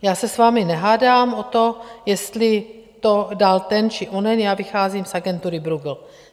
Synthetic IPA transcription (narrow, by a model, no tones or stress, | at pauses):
jaːsɛsvaːmɪnɛɦaːdaːmʔo̞t̪o̞jɛst̪lɪ | t̪o̞dalt̪ɛnt͡ʃɪʔonɛnjaːvɪxaːziːmsaɡɛnt̪uːɾɪbɾuɡl̩